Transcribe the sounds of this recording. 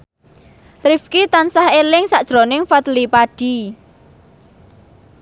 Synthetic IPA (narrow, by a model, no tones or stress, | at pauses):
rifkit̪ansahelɪŋsaʔd̥ʒ̥ɾo̤nɪŋfat̪lipaɖ̥i